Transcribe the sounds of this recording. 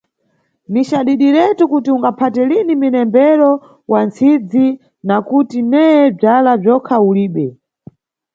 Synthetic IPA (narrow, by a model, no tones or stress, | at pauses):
niʃaɗiɗiɾɛtukutiuŋɡapʰatɛliniminɛmbɛɾɔ | want͡sʰid͡zi | nakutinɛjɛb͡ʐalab͡ʐɔkʰauliːɓɛ